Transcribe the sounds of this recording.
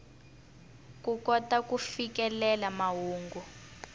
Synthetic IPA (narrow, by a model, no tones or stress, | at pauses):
kukɔtakufikɛlɛlamaɦuːŋɡu